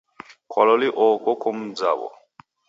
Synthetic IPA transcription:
kʰwalɔliʔɔkɔkɔm̩d͡za̰βɔ̰

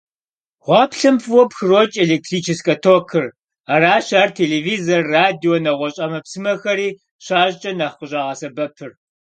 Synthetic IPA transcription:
ʁʷɑːpʰɬɨmpʰwɔpxɨrot͡ʃʼeleːk̚tʰriːt͡ʃʰɪskʼɐtʰokʰɨr | aɾaːʃaːrtʰeːleːviːzɐrːaːdioːnɐʁʷɔɕʼɐmɐpsɨmɐxɐɾiː | ʃaːʑt͡ʃʼɐnɐχqəɕʼɐːʁɐsɐbɐpʰɨr

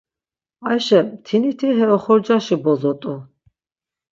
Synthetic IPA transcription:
ajʃɛt̪ʰinit̪ʰiɦɛɔχɔɾd͡ʒaʃibɔzɔt̪ʼu

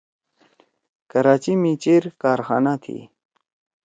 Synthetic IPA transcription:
kəɾaːt͡ɕimit͡ɕiɾkaːɾxa̰ːnat̪ʰḭ

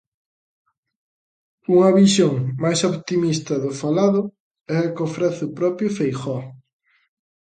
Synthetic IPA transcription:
uŋɐβiʃoŋmajsoβt̪imist̪ɐðʊfalaðʊ | ɛɐkofɾɛθʊpɾɔpjʊfejxɔ

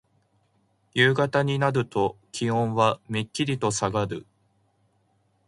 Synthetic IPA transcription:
jɯːɡat̪aɲ̟inaɾɯ̟t̪o̞kʲihõ̞ɰ̃βamikʲːiɾʲit̪o̞saɡaɾɯ̟̰

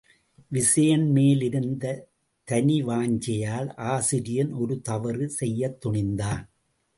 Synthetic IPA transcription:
ʋɪsɐjɐnmeːlɪɾɯnd̪ɐ | t̪ɐniʋaːɲd͡ʒɐjaːlʔaːsɪɾɪjɐnɔɾɯt̪ɐʋɐrɯsɛjːɐt̪ːʊɳɪnd̪aːn

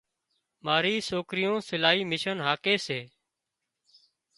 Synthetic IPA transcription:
maːɾiːsoːkɾɪjõːsɪlaːiːmɪʃənɦaːkeːseː

